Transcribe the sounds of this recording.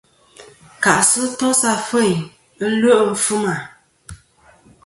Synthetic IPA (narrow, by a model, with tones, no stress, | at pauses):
ka˨ʔsɨ˦tɔ˦sa˦fə˦˨ɲ | ə˦lo˦ʔm̩˦fu˦ma˨